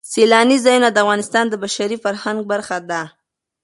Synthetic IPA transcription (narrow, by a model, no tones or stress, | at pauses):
selɑnizɑjunad̪əafɣɑnɪst̪ɑnd̪əbaʃaɾifaɾhaŋɡ̚baɾxad̪a